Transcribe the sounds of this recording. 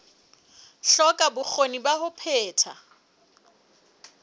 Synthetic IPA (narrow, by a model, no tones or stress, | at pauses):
ɬɔkʼabʊk͡xʰonibaɦʊpʰɛːtʰa̰